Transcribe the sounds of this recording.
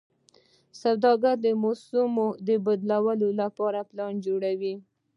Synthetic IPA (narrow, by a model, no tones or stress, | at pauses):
sawd̪ɑɡaɾd̪əmosumod̪əbad̪lawəlolapɑɾaplɑnd͡ʒoɽawi